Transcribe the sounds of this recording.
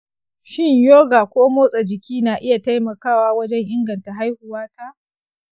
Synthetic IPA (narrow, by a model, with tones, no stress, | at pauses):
ʃɪ˦ɲjoː˦ɡaː˨kʷoː˦moː˦sʼa˨d͡ʒɪ˨kʲiː˦naː˨ʔɪ˦ja˨ta˦jmɐ˨kaː˦˨waː˦wɐ˦d͡ʒɛ˦ŋʔɪ˦ŋɡɐ˨nta˨ɦa˦jhʊ˨waː˦ta˦ʔ